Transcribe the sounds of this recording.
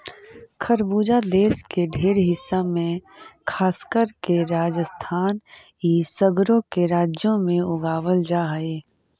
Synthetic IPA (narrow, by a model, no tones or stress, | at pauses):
kʰəɾbuːd͡ʒad̪eːʃkeɖʱeːɾɦɪsːamẽkʰaːskəɾkeɾaːd͡ʒəst̪ʰaːn | ɦisəɡɾõkeɾaːd͡ʒjõmẽʊɡaːwəld͡ʒaːɦəeː